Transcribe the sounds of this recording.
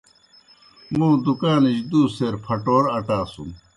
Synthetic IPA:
mũːd̪ukaːnid͡ʑd̪uːseɾpʰɐʈoːɾɐʈaːsṵm

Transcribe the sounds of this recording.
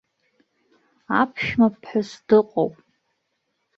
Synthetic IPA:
apʰʃmapʰħʊsd̥ɨqʼowpʼ

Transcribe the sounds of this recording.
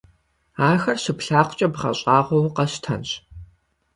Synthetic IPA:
aːxɐrɕɪpɬaːχʷʊt͡ʃʼɐbʁɐ̰ɕʼɑːʁʷɔwqɐɕtʰɐ̰nɕ

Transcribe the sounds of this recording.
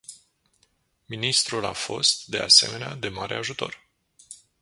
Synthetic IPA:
minist̪ɾula̰fo̞st̪̚d̪e̞a̰se̞̰me̞nead̪e̞maɾe̞aʒut̪o̞̰r

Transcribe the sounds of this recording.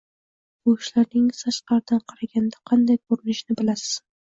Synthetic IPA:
bʊɪʃlaɾnɪŋɪzaʃqɑɾd̪anqʰɑɾaɡʲand̪aqʰɑnd̪ajkʰɵɾɪnɪʃnɪbɪlasɪ̥z̥

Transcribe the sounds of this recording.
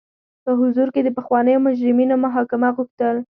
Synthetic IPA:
pəɦʊzuɾked̪əpəxwɑnəjomʊd͡ʒɾɪminomaɦɑkɪmaɣuxt̪əl

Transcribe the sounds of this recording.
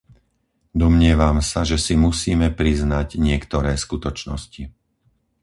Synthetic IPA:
d̪ɔmɲɪɛʋamsaʒɛsimusiːmɛpɾiznaɟɲɪɛkt̪ɔɾɛːskut̪ɔt͡ʃnɔ̰sci

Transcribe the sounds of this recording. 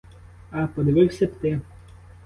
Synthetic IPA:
ɐpɔd̪ʲeʋɪwsʲɛpt̪ɪ

